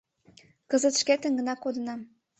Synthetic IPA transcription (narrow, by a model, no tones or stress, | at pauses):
kəzət̪ʃket̪ə̆ŋɡə̆nɑkod̪ə̆nɑm